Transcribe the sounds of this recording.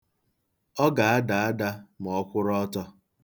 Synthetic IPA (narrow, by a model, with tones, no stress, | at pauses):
ɔ˦ɡa˨a˦da˨a˦da˦m˨ɔ˦kʷʊ˦ɾɔ˦tɔ˦